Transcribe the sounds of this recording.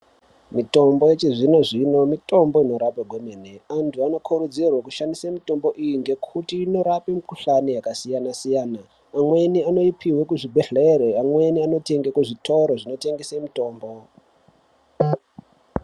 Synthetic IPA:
mito̞mbojet͡ʃiʐino̞ʐino̞mito̞mbo̞ino̞ɾapeɡʱomeneantʰuano̞kʰuɾud͡zirwakuʃandisamito̞mbo̞ʔijiŋɡe̞kʰutiːno̞ɾapemikuɬanijakasijanasijaːnaː | mwe̞niano̞ipʰiwekuʐibʱeɮeɾeamwe̞niano̞te̞ŋɡekuʐitʰo̞ɾoʐino̞te̞ŋɡesemito̞ːmbo̞

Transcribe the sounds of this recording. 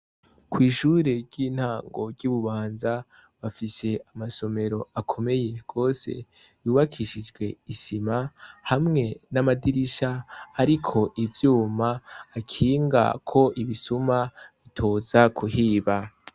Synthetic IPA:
kwiːʃuːɾe̞ɾɟiːn̥haːŋɡo̞ɡɟuːβuβaːnza | βafise̞ʔamaso̞me̞ɾo̞akʰo̞me̞je̞ɡ̥o̞ːse̞̰ | βuːβakʰiʃid͡ʒɡwe̞isimahamŋe̞namadiɾiʃaːɾikʰo̞ʔivjuːmaːkʰiːŋɡa̰kʰo̞ʔiβisumaβitʰo̞ːzakʰuhiːβa

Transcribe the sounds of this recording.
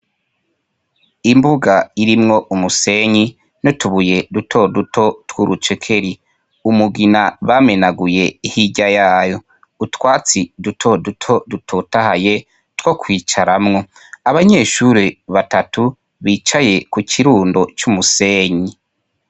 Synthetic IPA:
imbuɡaiɾimŋo̞ʔumuse̞ɲi | notuβuje̞dutʰo̞dutʰo̞twuɾʔut͡ʃe̞kʰe̞ɾi | umuɡinaβame̞naɡuje̞ihiɟajaːjo̞ | utwaːt͡sidutʰo̞dutʰo̞dutʰotahaje | two̞kwiːt͡ʃaɾamŋo̞ | aβaɲe̞ːʃuɾiβatatʰu | βiːt͡ʃaje̞kukʰiɾuːndo̞t͡ʃumuseːɲi

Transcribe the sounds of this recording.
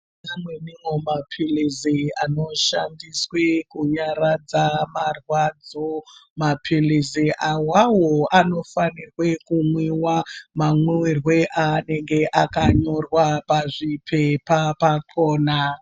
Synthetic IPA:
amwenimwomapʰiliziano̞ʃa̰ndiswekuɲaɾad͡zamarwad͡zomapʰiliziʔawawoano̞fanirwe̞kumwiwamamwuwirwe̞ʔane̞ŋɡe̞ʔakaɲo̞rwapaʐipʰepapakʰoːna

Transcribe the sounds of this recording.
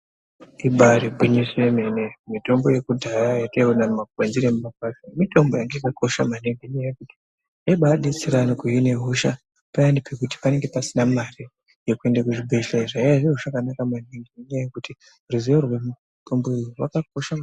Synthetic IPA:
iɓaɾibʱwiɲiswemenemito̞mbo̞je̞kudʱaɾajateunamakwenziɾemumakatimito̞mbo̞jaŋɡeikako̞ʃa̰maneŋɡeɲejekuti̥ | eɓaɗit͡siɾanokujine̞ɦuʃa | pajandipʰekuti̥pane̞ŋɡe̞pasinamari | jekue̞ndekuʐibʱeʃaiʐaiaʐiruʐakanakamaneŋɡeiɲejekuti | ruziorwemu | tʰo̞mboiriwakak̚oʃa

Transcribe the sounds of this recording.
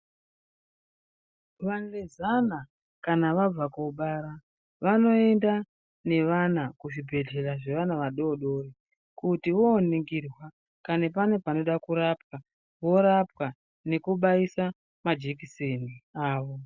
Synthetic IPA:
ʋanlezana | kanaʋab͡vakoɓaɾa | ʋano̞e̞nda | ne̞ʋanakuʐibʱe̞ɮe̞raʐe̞ʋanaʋaɗo̞ɗo̞ri | kutiʋo̞ːniŋɡirwa | kanepane̞pano̞ɗakuɾap̚wa | ʋo̞ɾap̚wa | ne̞kuɓaisa | mad͡ʒekiseniaːʋo

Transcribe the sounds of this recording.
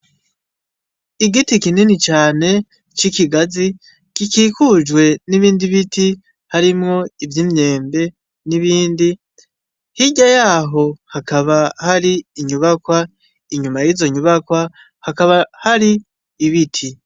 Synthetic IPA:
iɡitikininit͡ʃaːne̞ | t͡ʃikiɡazi | kikiːkud͡ʒwe̞niβiːndiβiti | haɾimŋo̞ivjimɲe̞ːmbe̞ | niβiːndi | hiɟajaːɦo̞hakaβahaɾiːɲuβakwa | iɲumajizo̞ɲuβakwa | hakaβahaɾiː | βitʰi

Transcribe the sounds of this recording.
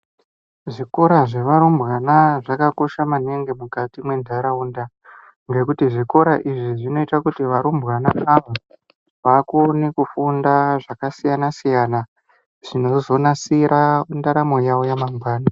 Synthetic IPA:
ʐiko̞ɾaʐe̞ʋaɾumbɣanaʐakako̞ʃamaneŋɡemukatimwe̞ndʱaɾaunda | ŋɡe̞kutiʐiko̞ɾaʔiʐiʐino̞itakutiʋaɾumbɣanaʔaʋa | ʋakonikufundaʐakasijanasijana | ʐ̥ino̞zo̞nasiɾʔandaɾamo̞jaojamaŋɡwaːna

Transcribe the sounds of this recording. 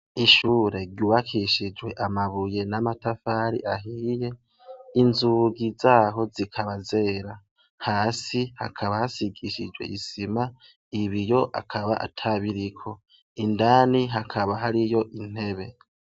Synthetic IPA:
iʃuːɾe̞ɾɟuːβakʰiʃid͡ʒwe̞ʔamaβuje̞namatafaːɾḭʔaɦiːje̞ | inzuɡizaːɦo̞zikʰaβaze̞ːɾa | haːsiha̰kʰaβahasiɡiʃid͡ʒwe̞̰ʔisima | iβijo̞ʔa̰kʰaβa̰ʔa̰tʰaβiɾikʰo̞ | indaːniɦakʰaβaɦaɾijo̞ʔin̥he̞βe̞

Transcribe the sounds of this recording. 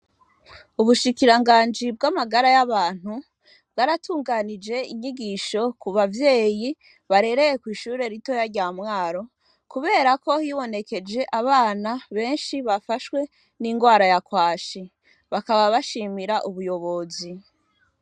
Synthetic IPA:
uβuʃikiɾaŋɡaːnd͡ʒibɡamaɡaɾajaβaːn̥hu | bwaɾatuːŋɡanid͡ʒe̞iɲiɡiʃo̞kuβavje̞ːji | βaɾe̞ɾe̞jekwiːʃuːɾe̞ɾito̞jaɾɟaːmŋaːɾo̞ | kuβe̞ːɾako̞hiβo̞ne̞ke̞d͡ʒe̞ʔaβaːnaβe̞ːnʃiβafaʃwe̞ | niŋɡwaːɾajakwaːʃi | βakaβaβaʃiːmiɾaʔuβujo̞βo̞zi

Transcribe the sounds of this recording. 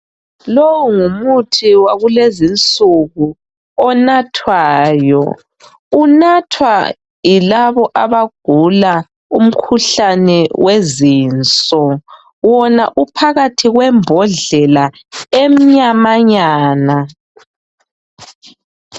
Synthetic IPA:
lɔwuŋumutʰiwaɣulezint͡sʼuɣu | ɔnatʰwaːjɔ̰ | unatʰwa̰ | ilaβɔʔaβaɡ̥ʱula | um̩kʰuɬanɛwʔeziːnt͡sʼɔ | wɔnaʔupʰaɣatʰiɣwɛmbʱɔɮɛla | em̩ɲamaɲaːna

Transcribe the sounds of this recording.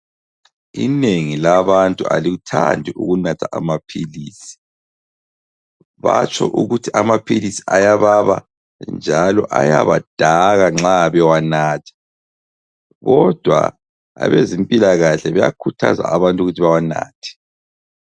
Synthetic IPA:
ḭneŋilaβantʼua̰liutʰa̰ndʱiʔuɣunatʰaʔamapʰiliːsi̥ | βat͡ʃʰʼɔ̰ʔuɣutʰiʔamapʰilisi̥ʔajaβaβa | nd͡ʒʱalɔʔaja̰βad̥ʱaɣaŋ͡ǁaβɛwanaːtʰɛ̥ | ɣɔd̥ʱwa̰ | a̰βezimpʼilaɣaɬɛβɛja̰kʰutʰa̰za̰aβantʼuɣutʰiβawana̰ːtʰɛ̥

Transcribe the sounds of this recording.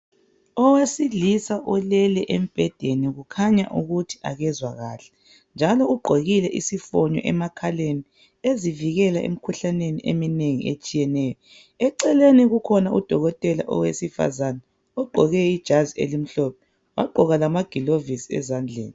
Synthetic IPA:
ɔwasilisaʔɔlɛlɛʔem̩b̥ʱɛd̥ʱeniɣukʰaɲaʔuɣutʰi̥a̰ɣɛzwaɣa̰ːɬɛ̥ | nd͡ʒʱalɔuɡ͡ǃʱoɣilɛʔisifɔɲɔ̰ʔɛmakʰaleni | eziviɣɛlaʔḛm̩kʰuɬaneniʔemineŋḭʔet͡ʃʼijɛnɛjɔ | ɛǀɛleniɣukʰɔnaud̥ʱɔɣɔtʼɛla̰ʔɔ̰wesifa̰zanɛ | ɔɡ͡ǃʱɔɣɛid̥ʒ̥ʱaziḛlim̩ɬɔːpʰɛ | wa̰ɡ͡ǃʱɔɣalamaɡ̥ʱilovisiɛ̰zand͡ɮʱḛːni

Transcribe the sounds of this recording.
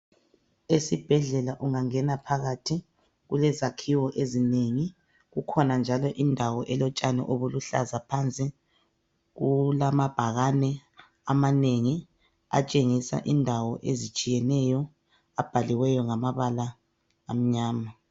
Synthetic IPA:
esib̥ʱɛɮɛlaʔuŋaŋɛnapʰaɣatʰi | ɣulɛzakʰiwɔʔezineŋi | ɣukʰɔnand͡ʒʱalɔʔindʱawɔʔɛlɔt͡ʃʼanɛ̰ʔoβuluɬa̰zapʰant͡sʼi | ɣulamab̥ʱaɣanɛ | amaneŋi | a̰t͡ʃʼeŋisa̰ʔindʱawɔʔezit͡ʃʼijɛnɛjɔ | ab̥ʱaliwɛjɔŋamaβalaː | m̩ɲaːma

